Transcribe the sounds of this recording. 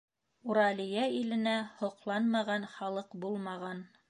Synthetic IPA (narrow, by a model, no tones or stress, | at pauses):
uɾɑlijæilɘ̆næhŏqlˠɑnmɑʁɑnχɑlˠɤqbulˠmɑʁɑn